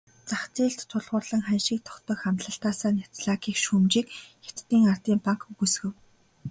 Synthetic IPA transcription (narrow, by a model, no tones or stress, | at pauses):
t͡saχt͡siːɬt̪ʰːʊɮʁʊːrɮə̆ŋχænʃĭːk̚t̪ʰɔ̥xt̪ɞ̆ːxχamt̪ɮə̆ɬt̪aːsaːnʲḁt͡sɮaːkiːxʃumt͡ɕiːkxḁt̪ːiːŋar̥t̪iːmpaŋkɡusxɘ̆w